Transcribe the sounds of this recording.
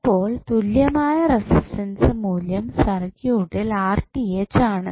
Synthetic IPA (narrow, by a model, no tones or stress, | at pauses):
pːo̞ːɭt̪uljɐmaːjɐresistɐnsɨmuːljɐmsɐrɐkjuʈːilaːrʈiet͡ɕːaːɳɨ